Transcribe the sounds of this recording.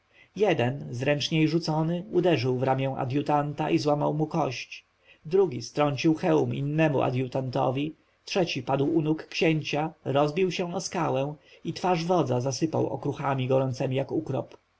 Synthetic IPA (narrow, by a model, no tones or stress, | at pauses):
jɛd̪ɛnzɾɛnt͡ʂɲejʐut̪sɔnɘud̪ɛʐɘwvɾamʲjɛ̃w̃ʔa̰d̪jut̪ant̪aʔizwama̰wmukɔɕt͡ɕ | d̪ɾuɡʲist̪ɾɔɲt͡ɕiwxɛwumḭnːɛmṵʔa̰d̪jut̪ant̪ɔ̰vʲi | tʂɛt͡ɕipad̪wunukːɕeɲt͡ɕaɾɔzbʲiwɕɛ̃ɔskawɛ̃w̃it̪faʐvɔd̪zazasɘpa̰wɔ̰kɾuxamʲiɡɔɾɔnt̪sɛmʲijakukɾɔ̰p